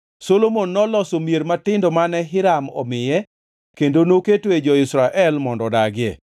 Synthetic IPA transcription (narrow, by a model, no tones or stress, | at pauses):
solomonːɔlɔsomjeɾmatɪndɔmanɛɦɪɾamɔ̰mɪjɛ | kendonoketwed͡ʒɔɪsɾaʔɛlmɔndɔdaɡɪɛ̰